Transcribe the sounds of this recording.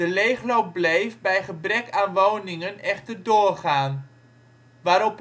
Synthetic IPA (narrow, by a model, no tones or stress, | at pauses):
dəlejχlowp̚blejfbɛjχəbrɛkaːnʋownɪŋənɛχtərdʊːrχaːn | ʋaːɾɔp